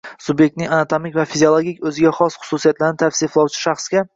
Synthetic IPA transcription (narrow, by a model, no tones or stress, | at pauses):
sʊbjek̚t̪nɪŋanat̪ʰomɪkʲvafizʲiolˠoɡʲikʲɵzɪɡʲaχɒsχʊ̥susijat̪laɾɪnɪt̪ʰafsiflˠɒwt͡ʃʰɪ̥ʃɑχsɡʲa